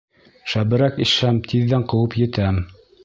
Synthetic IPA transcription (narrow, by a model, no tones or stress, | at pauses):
ʃæbɘ̆ɾækĭʃæmt̪ʰiðːæɴqɤ̆wɤpjɘ̆t̪æm